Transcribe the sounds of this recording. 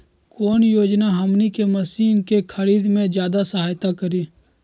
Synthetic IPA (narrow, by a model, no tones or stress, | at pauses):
koːnjoːd͡ʒnaɦɐmnikemɐsiːnkekʰəɾiːd̪mẽd͡ʒjaːd̪asɐɦaːjt̪akəɾiː